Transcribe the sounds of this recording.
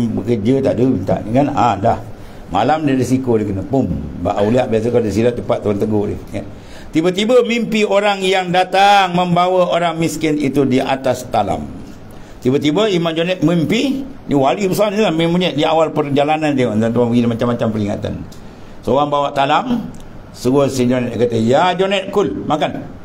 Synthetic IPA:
bəkərd͡ʒət̪aʔdəbint̪a̰ʔnikanandah | ma̰lamdiɾisikodəhkənəpumba̰ʔauliaʔbias̬əkaldəs̬ilaʔ̚t͡ʃəpat̪ːaant̪əɡohdɪ̰hə | t̪ibət̪ibəmimpioɾaŋjaŋdat̪aŋməmbawaoɾaŋmiskɪnit̪udiʔa̰t̪ast̪ala̰m | t̪ibət̪ibəimand͡ʒonɛt̪̚mimpiniwalipəsanlamimuɲaʔdiawalpərd͡ʒalanandint̪ant̪uabəɡidamat͡ʃamːat͡ʃampəliŋa̰t̪a̰n | sooɣaŋbawaʔt̪alam | səɡosid͡ʒonɛt̪kat̪əjad͡ʒonɛt̪̚kʊlmakan

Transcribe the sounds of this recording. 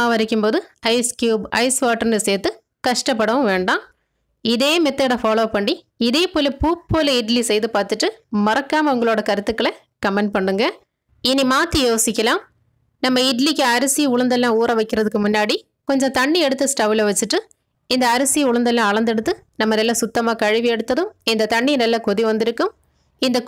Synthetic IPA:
aːʋɐɾɪkʲːɯmpoːðɯɐɪskjuːbɐɪsʋaːʈːɐɾnɯseːt̪ːɯ | kɐʂʈɐpːɐɽɐʋɯ̃ʋeːɳɖãː | ɪðeːmɛt̪ːeɽɐfaːloːpɐɳːi | ɪðeːpoːlɐpuːpːoːlɐɪʈlisɛjðɯpaːɾt̪ɯʈːɯmɐɾɐkːaːmɐʊŋɡɐɭoːɽɐkɐɾɯt̪ːɯkːɯɭɐ | kɐmɛɳɖ̚pɐɳːɯŋɡɐ | ɪnːimaːt̪ːijoːsɪkʲːɐlãːm | nɐmːɐɪʈlikːɯɐɾɐsijɐʊɻɐnd̪ɐlːãːuːɾɐʋɐɪkːɪɾɐðɯkːɯmʊnːaːɽi | kɔɲd͡ʒɔ̃t̪ɐɳːiɛɽɯt̪ːɐsʈaːʋɪlɐʋɐt͡ʃːɯʈːɯ | ɪnd̪ɐːɾɐsijʊɻɐnd̪ɐlːãːɐɭɐnd̪ɛɽɯt̪ːɯnɐmːɐnɐlːɐsʊt̪ːɐmaːkɐɻɯʋiɛɽɯt̪ːɐðɯ̃mɪnd̪ɐt̪ɐɳːinɐlːɐkɔðiʋɐnd̪ɪɾɯkːɯm | ɪnd̪ɐ

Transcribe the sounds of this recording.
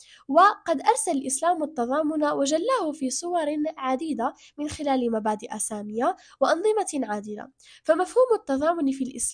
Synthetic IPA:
waqɑd̪ʔɑɾˤsalalʔɪslaːmat̪ːɑðˤɑːmʊnawaʒalːaːhʊfiːsˤʊwɑɾˤʕad̪iːd̪a | mɪnxɪlaːlɪmabaːd̪ɪʔasaːmɪja | wɪʔɑnðˤɨmaʕaːd̪ɪla̰ | famafhuːmat̪ːɑðˤɑːmʊnfilʔɪ̰s

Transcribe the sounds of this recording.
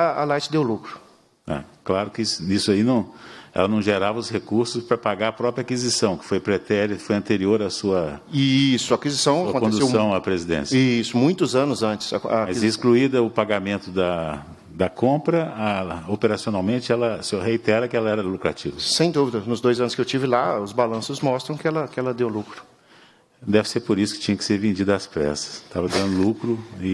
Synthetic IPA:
aalajt͡ʃɪd̪ewlukɾʊ | a̰klaɾʊkɪsnisʊainɐ̃w̃ɛ̰lɐnɐ̃w̃ʒeɾavɐʊshekuɾsʊspɾɐpaɡaɾɐpɾɔpɾjɐakizisɐ̃w̃kɪ̥fojpɾet̪ɛɾfojɐ̃nt̪eɾioɾɐsuɐisʊakizisɐ̃w̃kɐkõtkõd̪usessɐ̃w̃ɐpɾezid̪ḛ̃sjisʊmũj̃t̪ʊzɐ̃nʊzɐ̃t͡ʃɪ̥skamzzɛiskluid̪ɐʊpaɡamẽnt̪ʊd̪ɐ | d̪ɐkõpɾɐaopeɾasionawmẽnt͡ʃɪɛlɐsehejt̪ɛɾɐkɪɛlɐɛɾɐlukɾa̰t͡ʃivɐsẽj̃d̪uvid̪ɐnʊzd̪ojzɐ̃nʊskɪewt͡ʃivɪlaʊzbalɐ̃sʊzmɔst̪ɾɐ̃w̃kɪɛlɐkɪɛlɐd̪ewlukɾʊ | d̪ɛvɪseɾpoɾisʊ̥kɪ̥t͡ʃĩɲɐkɪ̥seɾvẽd͡ʒid̪ɐːspɾɛ̰sɐ̥st̪avɐd̪ɐ̃nd̪ʊlukɾʊɪ

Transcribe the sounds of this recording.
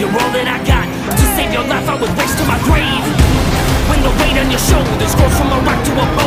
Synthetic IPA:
jəɹoʊlˠðɨɾaɪɡɑt̚ | tʰɨseɪvjə˞laɪfaɪwəd̚wɛʃtʰəmaɪbɹẽɪ̃n | wɨ̃njəwẽɪɾɨ̃n̩jə˞ʃoʊlˠdə˞ðɨtsɡ̥ɔ̥fɹʌ̃maɪwak̚tʰəə

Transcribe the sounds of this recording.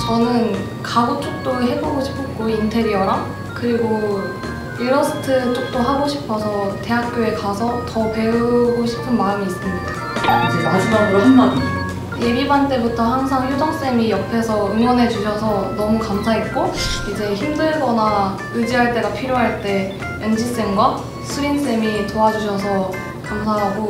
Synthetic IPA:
t͡ɕʌnɯn | kaɡot͡ɕ͈ʰok̚t͈oɾɯɦe̞boɡoɕʰi̥pʰɯk͈ointʰe̞ɾiʌɾam | kɯɾiɡo | iɾʌnsʰɯ̥tʰɯɾɯt͡ɕ͈ʰok̚t͈oɦaɡoɕʰi̥pʰʌsʰʌte̞ɦak̚k͈joe̞kasʰʌtʌpe̞uɡoɕʰi̥pʰɯnmaɯmiːs͈ɯmɲida | id͡ʑemad͡ʑimanɾʌʌ | je̞bibant͈e̞butʰʌɦaŋsʰaŋjudʌŋs͈e̞mijʌpʰe̞sʰʌɯŋwʌnɦe̞d͡ʑuɕʰʌsʰʌnʌmukamsʰaɦet̚k͈oid͡ʑe̞çimdɯɭɡʌna | ɯd͡ʑiɦaɭt͈e̞ɡapʰiɾjoɦaɭt͈e̞ | wend͡ʑis͈eŋɡwa | sʰuins͈e̞mitoad͡ʑuɕʰʌsʰʌ | kamsʰaɦaɡo

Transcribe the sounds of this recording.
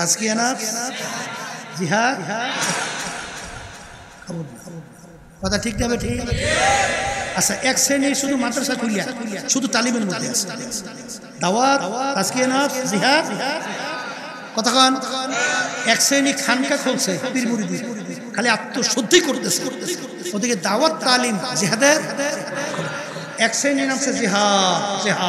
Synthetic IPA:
ɾaskianat̪ | ziɦad̪ | kʰɔbo | kɔt̪ʰaʈʰik̚dabeʈʰik | aaʔɛkseniʃud̪umat̪ːɾasakʰulijaʃud̪ʱuʈalibenbot̪ea | d̪awat̪ɾaskianat̪ziɦad̪ | kɔt̪ʰakʰɔn | ɛksenikʰankakʰolsʰepiɾmuɾid̪iɾ | kʰaliat̪ːoʃod̪ʱːikoɾt̪esʰee | ɔd̪iked̪awat̪ːalimziɦad̪eɾ | ɛkseninamseziɦaziɦa

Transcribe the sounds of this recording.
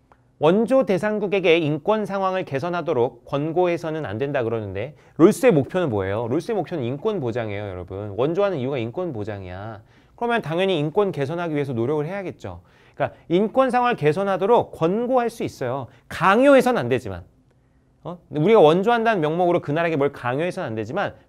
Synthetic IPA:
wʌnd͡ʑode̞sʰaŋɡuɡe̞ɡe̞ink͈wʌnsʰaŋɦwaŋɯɭke̞sʰʌnɦadoɾok͈̚ːwʌnɡoɦe̞sʰʌnɯna̰ndwe̞ndakɯɾʌnɯnde̞ | ɾoɭs͈ɯe̞mok̚pʰjʌnɯnboḛjoɾoɭs͈ɯe̞mok̚pʰjonɯnink͈wʌnpod͡ʑaŋe̞̰jojʌ̰ɾʌbɯnwʌnd͡ʑoɦanɯniuɡaink͈wʌnpod͡ʑaŋḭja̰ | kɯɾʌmjʌntaŋjʌɲiːnk͈wʌnke̞sʰʌnɦaɡiɥiɦe̞s̬ʰʌnoɾjʌɡɯɭɦe̞jaɡe̞t̚t͡ɕ͈o̰ | ik͈aink͈wʌnsʰaŋwaɯɭke̞s̬ʰʌnɦadoɾok͈̚ːwʌnɡoɦaɭs͈uis͈ʌjo | kaŋjoɦe̞sʰʌnnandwe̞d͡ʑima̰n | ʌuɾiɡawʌnd͡ʑoɦandanɯnmjʌŋmoɡɯɾokɯnaɾe̞ɡe̞bʌɭkaŋjoɦe̞sʰʌnandwe̞d͡ʑiman

